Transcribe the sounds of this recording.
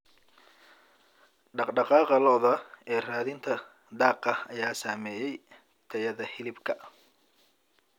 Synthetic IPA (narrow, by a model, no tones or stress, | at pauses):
ɖɑqɖɑqɑːqɑlɔːðɐɛːraːðɪnt̪ʰɐ | d̪ɑːqɐɐjaːsaːmɛːjɛj | t̪ʰɛjɐðɐhɪlɪbkʰɐ